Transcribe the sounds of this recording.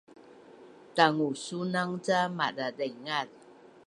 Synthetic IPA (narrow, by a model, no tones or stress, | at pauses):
taŋusunaŋt͡samadadəŋal